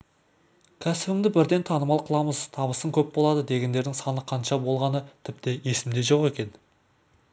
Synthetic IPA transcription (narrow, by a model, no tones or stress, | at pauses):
kʲʰæsɪbɪŋd̪ɪbɪɾd̪e̞nt̪ʰɑnəmɑlˠqʰəlˠɑməzt̪ʰɑβəsəŋkʲʰɵp̚bo̞lˠɑd̪əd̪e̞ɡʲe̞nd̪e̞ɾd̪ɪŋsɑnəqʰɑnʃɑbo̞lˠʁɑnət̪ʰɪp̚t̪eje̞sɪmd̪e̞ʒo̞qe̞kʲe̞n